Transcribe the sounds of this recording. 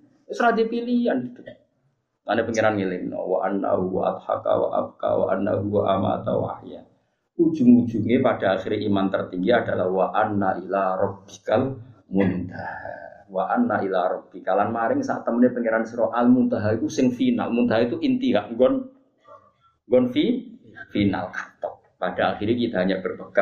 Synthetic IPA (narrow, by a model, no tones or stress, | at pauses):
səɾad̪ipilianɡit̪u | ŋanepəŋeɾanŋelɪŋnɔ̰wa̰ʔanːa̰ɦuwa̰ʔa̰t̪ha̰ka̰wa̰ʔa̰b̚ka̰wa̰ʔa̰nːa̰ɦuwaʔama̰t̪a̰wa̰hja | u̥d͡ʒ̥uŋu̥d͡ʒ̥uŋepadaaxiɾimant̪ərt̪iŋɡiadalahwaʔanːaʔilaɾɔb̚ikalmunt̪ahawaʔanːaʔilaɾɔb̚bikalanmaɾɪŋsa̰ʔt̪əmnepəŋeɾansɾoʔalmunt̪aɦait̪usɪŋfina̰lmunt̪aɦait̪uʔint̪iɦaʔŋɡɔn | ŋɡɔnfifina̰lkḁt̪ɔk̚padaaxiɾɲakit̪aɦaɲabərbəka